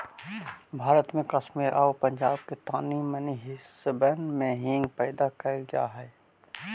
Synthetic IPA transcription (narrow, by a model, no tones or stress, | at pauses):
bʱaːɾət̪mẽkəʃmiːɾʔaːopə̃ɲd͡ʒaːbket̪aːniməniɦɪsəbənmẽɦĩːŋɡ̚pɛːd̪akəlɡja̰ːɦɛː